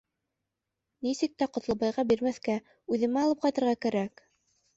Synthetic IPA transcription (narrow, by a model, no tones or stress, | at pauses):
nisɘk̚t̪æqŏt̪lˠɤ̆βɑjʁɑbiɾmæθkæ | ʉðɘ̆mæɑlˠɤp̚qɑjt̪ɤ̆ɾʁɑkæɾæk